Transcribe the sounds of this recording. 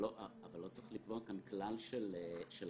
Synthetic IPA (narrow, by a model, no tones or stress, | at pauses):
oʔavalːo̞t͡seχlikvoakanklalʃeleʃel